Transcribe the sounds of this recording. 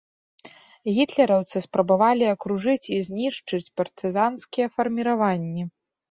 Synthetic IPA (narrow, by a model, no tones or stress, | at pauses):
ɣʲit̪lʲɛɾɐwt̪sɨspɾɐbavalʲiɐkɾuʐɨt͡sʲizʲnʲiʂt͡ʂɨt͡sʲpɐrt̪ɨzanskʲijɛfɐrmʲiɾavanʲːi